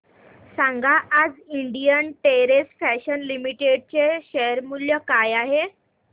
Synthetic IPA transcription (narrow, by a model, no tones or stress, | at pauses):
sãŋɡaʔad͡ziɳɖijənʈeɾesfæɕənlimiʈeɖ̚t͡ɕeɕeɾmuljəkajaɦe